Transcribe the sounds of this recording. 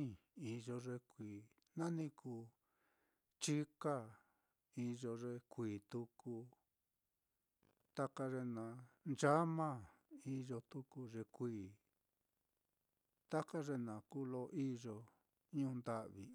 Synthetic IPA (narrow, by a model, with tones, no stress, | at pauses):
ĩ˦˧i˧ʒo˧ʐe˧kʷiː˨ | nã˦nĩ˧kʰuː˨˧˨ | t͡ʃi˦ka˦ | i˧ʒo˧ʐe˧kʷiː˨t̪u˧ku˧ | t̪a˦ka˧ʐe˧nã˨nd͡ʒa˦mã˦˨ | i˧ʒo˧t̪u˧˦ku˧ʐe˧kʷiː˨ | t̪a˦ka˦ʐe˧nã˨ku˦lo˧ʔi˦ʒo˧ | ɲũː˧nd̪a˧ʔβi˨